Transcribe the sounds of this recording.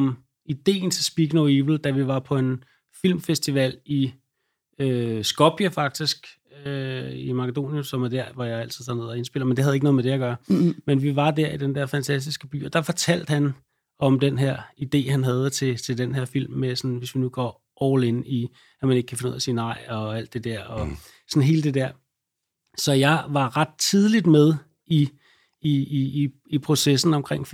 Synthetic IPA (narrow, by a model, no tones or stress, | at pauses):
ɒm | id̥e̝̰ːn̩t͡sʰe̝lsb̥iɡ̥noʊibl̩d̥æʋiʋɑ̈pʰɒ̽e̝n | fil̰mfesd̥iʋɛl̰i | øsɡ̥ɒb̥ʰjæfɑ̈ɡ̥̚d̥isɡ̥ | øimɑ̈kʰəd̥o̝̰ːnjəsɒ̽mæɐd̥æɐ̰ʋɒjɑ̈ɪæl̰t͡sʰiðˠsɑ̈ne̝ð̞̰ˠɐe̝nsb̥e̝l̰ɐmend̥e̝hæð̩ˠeɡənɔ̽ð̩ˠmed̥ejɑɡ̥ɶɐmenʋiʋɑ̈d̥æɐ̰id̥end̥æɐfænt͡sʰæsd̥isɡ̥əb̥y̰ːɒd̥ɑ̈fɒt͡sʰæl̰d̥hæn | ɒ̽md̥enɦæɐ̰id̥e̝̰ːhænɦæð̞ˠət͡sʰe̝t͡sʰe̝ld̥enɦeɐ̰fil̰mːesɒ̽nʋe̝sʋinuɡ̥ɒː | ʔɒʊleni | æmæne̝ɡ̥̚kʰæfenuð̰ˠɐsiːnɑ̈ɪ̰ɒ̽æl̰d̥e̝d̥æɐ̰ɒ̽ | sɒ̽nɦe̝ːləd̥e̝d̥æɐ̰ | sɒ̽jɑ̈ɪʋɑ̈ʁɑd̥̚t͡sʰið̞ˠlid̥með̞ˠ | i | iː | pʰʁo̝sesn̩ɒ̽mkʰʁeŋ̰f